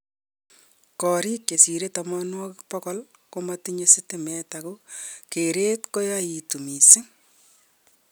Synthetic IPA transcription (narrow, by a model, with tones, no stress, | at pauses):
kɔː˨ɾiː˦kje˨si˨ɾe˦ta˨mɔnwɔ˦kpɔ˦kɔ˦l | komatiɲe˦sɪ˦te˦mɛ˦taku˦keɾe˦tko˦jai˨tu˨mi˨se˦ŋ